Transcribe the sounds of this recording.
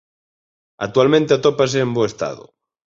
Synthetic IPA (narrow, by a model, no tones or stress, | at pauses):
a̰k̚t̪ualmẽnt̪eat̪opas̬eːmboest̪a̰ðʊ̰